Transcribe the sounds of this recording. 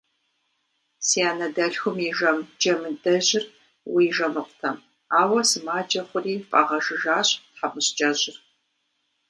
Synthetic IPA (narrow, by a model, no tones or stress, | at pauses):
siaːnɐdɐɬxʷʊmiʒɐmd͡ʒɐmɨdɐʑɪr | wiːʒɐmɨqʷtʰɐm | aːwɐsɨmaːd͡ʒʼɐχʷʊriːpʼa̰ʁɐʒɨʒaːɕħapʼɨɕt͡ʃʼɐʑɪr